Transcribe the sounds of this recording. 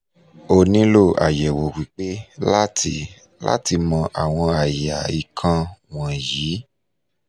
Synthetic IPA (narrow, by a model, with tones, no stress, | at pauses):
o˧nĩ˦lo˦˨a̰˨jɛ˨wo˨wi˨k͡pe˦la˦tʰi˧ | la̰˦ti˧mɔ̃˧ʔa˨w̃ɔ̃˧a˨ja˨i˨kʰã˧w̃ɔ̃˨jiː˨˦